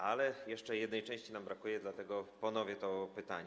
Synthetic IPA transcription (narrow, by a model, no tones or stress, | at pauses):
ʔalɛjɛʂt͡ʂɛjɛd̪nɛjt͡ʂɛ̃w̃ɕt͡ɕinambɾakujɛd̪lat̪ɛɡɔpɔnɔvʲjɛt̪ɔpɘt̪a̰ɲ